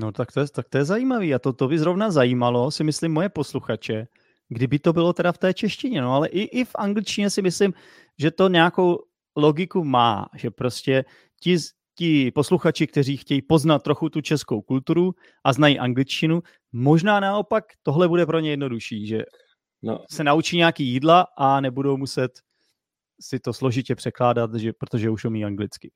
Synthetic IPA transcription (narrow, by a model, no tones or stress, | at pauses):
not̪akt̪ojɛt̪ak̚t̪ojɛzajiːmaviːat̪ot̪obɪzɾo̞vnazajiːmalo̞sɪmɪslɪmːo̞jɛpo̞sluxat͡ʃɛ | ɡdɪbɪt̪o̞bɪlo̞t̪ɛdaft̪ɛːt͡ʃɛʃcɪɲɛno̞alɛʔɪʔɪfʔaŋɡlɪt͡ʃcɪɲɛsɪmɪslɪm | ʒɛt̪o̞ɲɛako̞w | lo̞ɡɪkuma̰ːʒ̥ɛpɾo̞scɛ | cɪ | cɪpo̞sluxat͡ʃɪkt̪ɛriːxcɛjiːpo̞znat̪̚ːɾo̞xut̪ut͡ʃɛsko̞wkult̪uɾu | ʔaznajiʔaŋɡlɪt͡ʃcɪnu | mo̞ʒnaːnao̞pakt̪o̞ɦlɛbudɛpɾo̞ɲɛjɛdno̞duʃiːʒɛ̰ | sɛnaut͡ʃiːɲɛakiːjiːdlaʔanɛbudo̞wmusɛt̪ | sɪt̪o̞slo̞ʒɪcɛpr̥ɛklaːdat̪ʒɛpɾot̪oʒɛuʃjomiːaŋɡlɪt͡skɪ